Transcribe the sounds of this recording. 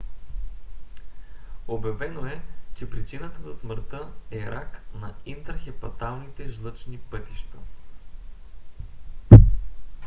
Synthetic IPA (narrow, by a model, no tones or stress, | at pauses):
objɐvɛnoɛt͡ʃɛpɾit͡ʃinət̪əzɐsmɾt̪əɛɾaknɐint̪əɾxɛpɐt̪alˠnit̪ɛʒlˠɤt͡ʃnipɤt̪iʃt̪ɐ